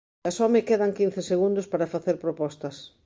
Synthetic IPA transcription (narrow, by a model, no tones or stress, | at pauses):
asɔmekeðɐŋkinθeseɣund̪ospaɾɐfaθeɾpɾopɔst̪ɐs